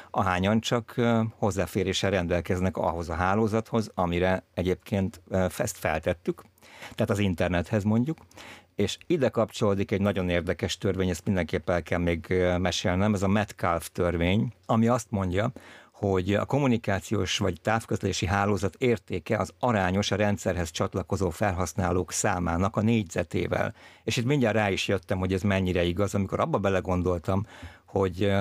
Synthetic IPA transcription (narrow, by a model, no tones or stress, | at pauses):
ʔɒɦaːɲɒnt͡ʃɒkho̞zːaːfeːɾeːʃɛrɛnd̪ɛlkɛznɛkɒ̰ɦo̞zɒɦaːloːzɒt̪ho̞zɒmiɾɛɛɟeːpkʰeːnt̪fɛst̪fɛ̰lt̪ɛt̪ːyk | t̪ɛɦːt̪ɒzint̪ɛrnɛt̪hɛzmo̞ɲɟukeːʃid̪ɛkɒpt͡ʃoloːd̪ikɛɟnɒɟo̞neːrd̪ɛkɛʃt̪ørveːɲɛst̪mind̪ɛŋkeːpːɛlkɛlmeːɡmɛʃeːlnɛmɛzɒmɛt̪kalft̪ørʋeːɲɒmiɒst̪mo̞ɲɟɒho̞ɟɒ̰ko̞munikaːt̪sijo̰ːʃʋɒɟt̪aːfkøzleːʃiɦaːloːzɒt̪eːrt̪eːkɛɒzɒɾaːɲo̞ʃɒɾɛnt̪sɛrɦɛst͡ʃɒt̪lɒko̞zoːfɛlɦɒsnaːloːksaːmaːnɒkɒneːɟz̥ɛt̪ḛːvɛ̰leːʃit̪miɲɟaːraːiʃjøt̪ːɛmho̞ɟɛzmɛɲːiɾɛiɡɒzɒmiko̞̰ɾɒbːɒbɛlɛɡo̞nd̪o̞lt̪ɒmho̞ɟ